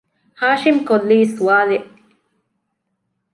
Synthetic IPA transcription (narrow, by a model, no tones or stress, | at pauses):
haːʃimkolːiːsuaːleʔ